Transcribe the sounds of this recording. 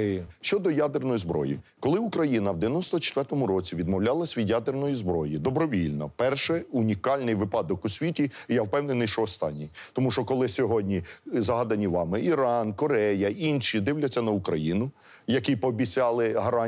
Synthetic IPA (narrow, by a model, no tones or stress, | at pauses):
ʃt͡ʃɔd̪ɔjad̪ɪrnɔjzbɾɔ̰jḭkɔlˠɪukɾɐjinɐwd̪eʋʲjɛnɔst̪ɔt͡ʃe̥t̪ʋɛrt̪ɔmʊɾɔt͡sʲiʋʲid̪mɔwlʲalˠɐsʲʋʲid̪jad̪ernɔjizbɾɔjid̪ɔbɾɔʋʲilʲnɔ̰pɛrʃɛunʲikɑlʲnɪjʋɪpɑd̪ɔkusʲʋʲitʲijawpɛwnɪnɪjʃɔɔst̪ɑnʲːijt̪ɔmuʃt͡ʃɔkɔlˠɪsʲɔɦɔdʲnʲizɐɦɑd̪ɐnʲiʋɑmɪʔiɾɑnkɔɾɛjɐinʃʲid̪ɪwlʲɐt͡sʲːɐnɐukɾɐjinʊ | jɐkɪjpɔːbʲit͡sʲɑlˠɪɦɐɾɑ